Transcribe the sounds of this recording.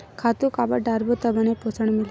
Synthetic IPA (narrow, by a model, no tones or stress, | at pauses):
kʰat̪ukabaɖaɾbot̪əbaneposʰəɳ̃mil